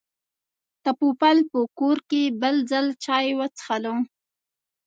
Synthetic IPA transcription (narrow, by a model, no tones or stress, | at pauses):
t̪apupalpəkoɾkebəld͡zalt͡ʃɑjwət͡sə̥xalo